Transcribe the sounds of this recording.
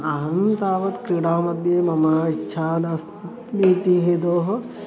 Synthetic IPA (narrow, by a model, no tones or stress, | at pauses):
aɦɐnt̪aːʋɐt̪kɾiɽaːmɐd̪jemɐmaːit͡ʃʰaːnɐs | miːt̪iɦed̪oːɦ